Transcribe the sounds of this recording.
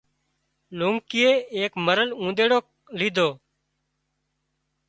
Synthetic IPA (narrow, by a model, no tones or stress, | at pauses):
luːŋkɪːeːeːkməɾəlũːnd̪eːɽoː | liːd̪ʱoː